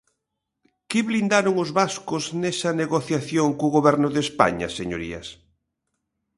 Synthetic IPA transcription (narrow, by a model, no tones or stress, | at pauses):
kɪβlind̪aɾoŋʊzβaskʊznesɐneɣoθjaθjoŋkoɣoβɛɾnʊðespa̰ɲɐ̰seɲo̰ɾḭɐ̰s